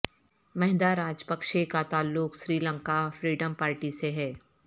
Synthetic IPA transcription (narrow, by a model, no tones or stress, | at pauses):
mɛɦɪd̪aɾaːd͡ʒpɐkʃekat̪aːlːʊksɾiːlə̃ŋkafɾiːɖəmpaːɾʈiseɦɛː